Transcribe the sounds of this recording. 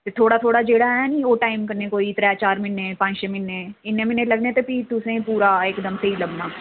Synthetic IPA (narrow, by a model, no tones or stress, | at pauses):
t̪et̪ʰoːɽat̪ʰoːɽad͡ʒeːɽaanĩʋoːʈaːɪmkɐɾnekoːit̪ɾɛːt͡ʃaːɾmɪnːepãːnd͡ʒʃemɪnːeɪnːemɪnːelɐɡnet̪epit̪ʊsẽpuːɾaeːkd̪əmseiləɡnaː